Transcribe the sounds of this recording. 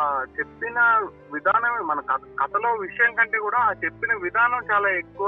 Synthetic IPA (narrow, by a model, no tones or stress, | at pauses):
t͡ʃe̞pːinɐ | ʋid̪ʱaːnɐmemɐnɐkɐɡɐt̪ɐlo̞ːʋiʂɐjɐŋkɐɳʈeːkuːɽaːt͡ʃe̞pːinɐʋid̪ʱaːnɐmt͡ʃaːlaːekːuʋa